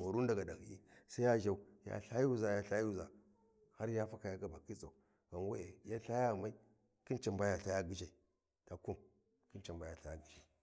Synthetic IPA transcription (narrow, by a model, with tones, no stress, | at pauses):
a˨ɾu˦n˦da˨ɡa˨da˨ɡḭ˦sa˦ja˦ʒa˦˨u˦ja̰˦ɬa˦ju˦˨za˨ja˦ɬa˦ju˦˨za˨ | ha˦ɾja˦fa˦ka˨ja˦ka˦ba˨ki˦t͡sa˨ | ɣa˨nwa˦e˨ja˦ɬa˦ja˦˨ma˦i˦ | ki˦nt͡ʃa˨mba˦ja˨ɬa˦ja˦ɡi˨d͡ʒa˨i˨ | ta˨ku˦m | ki˦nt͡ʃa˨mba˦ja˨ɬa˦ja˦ɡi˨d͡ʒa˨i˨